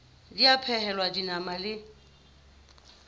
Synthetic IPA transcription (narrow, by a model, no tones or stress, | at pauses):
diapʰɛhɛlwadinamalɪ